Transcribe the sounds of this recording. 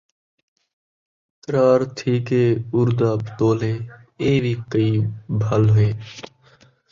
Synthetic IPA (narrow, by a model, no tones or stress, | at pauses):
t̪ɾaːɾt̪ʰiːkeːʊɾd̪aːpt̪oːleːeːbʱiːkəiːbʱəlɦeː